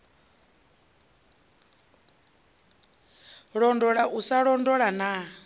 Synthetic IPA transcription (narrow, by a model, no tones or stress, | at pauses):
ɺɔndɔɺaʔusaɺɔndɔɺana